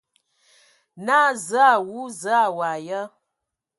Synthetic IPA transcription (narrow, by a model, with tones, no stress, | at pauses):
na˦za˦˨wu˨˦za˦˨wa˨jə˦